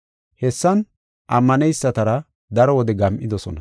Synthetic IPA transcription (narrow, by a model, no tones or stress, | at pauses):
hɛsːɐn | ʔɐmːɐnɛjsːɐt̪ɐɾɐ | d̪ɐɾɔwɔd̪ɛɡɐmʔɪd̪ɔsɔnɐ